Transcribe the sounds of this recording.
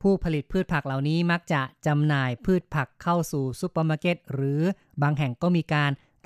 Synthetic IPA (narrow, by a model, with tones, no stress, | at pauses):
pʰuː˥˩pʰa˧li˨˩t̪̚pʰɯː˥˩t̪̚pʰa˨˩k̚la˨˩wniː˦˥ma˦˥k̚t͡ɕa˨˩ʔt͡ɕa˧mnaː˨˩jpʰɯː˥˩t̪̚pʰa˨˩kʰːa˥˩wsuː˨˩su˧˥paː˧maː˧˥ke˦˥˩t̪̚ɾɯː˩˦ | baː˧ŋɦɛ˨˩ŋkɔː˥˩miː˧kaː˧n | t̪